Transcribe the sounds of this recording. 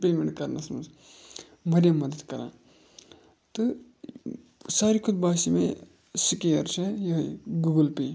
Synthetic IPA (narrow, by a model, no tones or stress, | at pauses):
peːmeɳʈkɐɾnɐsmɐz | mɐɾjamɐd̪əd̪kɐɾã̰ː | t̪ɨ | saːɾikʰud̪̚baːsimẽ | sikejɐɾt͡ʃejɐɦjɡuɡɐlpeː